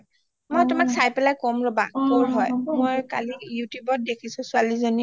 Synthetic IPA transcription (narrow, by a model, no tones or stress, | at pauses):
mojtʊmaksajpɛlajkɔmɹɔba̰koɹɦɔjmojkalijutjubɔt̚dekʰisʊ̃sʊalizoni